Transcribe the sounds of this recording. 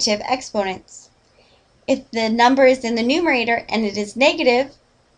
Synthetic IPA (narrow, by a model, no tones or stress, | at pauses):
ɾɪvɛ̰kspõʊnɨ̃nts | ɨfðɨnʌ̃mbə˞ɨzðɨ̃nðɨnʉmə˞eɪɾə˞ʔɨ̰̃nɨɾɨznɛɡɨɾɪv̥